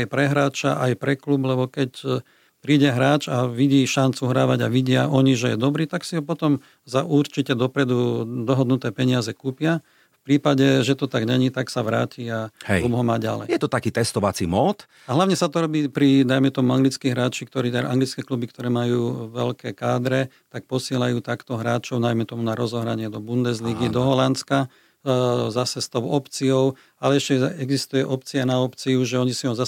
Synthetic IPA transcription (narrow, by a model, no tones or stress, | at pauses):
ajpɾɛɦɾaːt͡ʃaʔajpɾɛklublɛbɔkɛc | pɾiːɟɛɦɾaːt͡ʃaʋiɟiːʃant͡suɦɾaːʋaɟaʋiɟɪaʔɔɲiʒɛjɛd̪ɔbɾiːt̪aksiɦɔpɔt̪ɔm | zaʔuɾt͡ʃicɛd̪ɔpɾɛd̪ud̪ɔɦɔd̪nut̪ɛːpɛɲɪazɛkuːpɪa | fpɾiːpaɟɛʒɛt̪ɔt̪aɡɲɛɲit̪aksaʋɾaːciahɛ̰jlubɦɔmaɟa̰lɛ̰jjɛt̪ɔt̪akiːt̪ɛst̪ɔʋat͡simɔt̪ | aɦlaʊɲɛsat̪ɔɾɔbiːpɾid̪ajmɛt̪ɔmuaŋɡlit͡skiɦɾaːt͡ʃikt̪ɔɾiːɛʔa̰ŋɡlit͡skɛklubikt̪ɔɾɛːmajuːʋɛlkɛːkaːd̪ɾɛ | t̪ak̚pɔsɪɛlajuːt̪akt̪ɔɦɾaːt͡ʃɔʊnajmɛt̪ɔmunaɾɔzɔɦɾaɲɪɛd̪ɔbund̪ɛzliɡid̪ɔɦɔlant͡ska | zasɛst̪ɔʊɔpt͡siɔʊ | alɛɛʃcɛɛɡzist̪ujɛʔɔp̚t͡sianaɔpt͡siuʒɛɔɲisiɔmza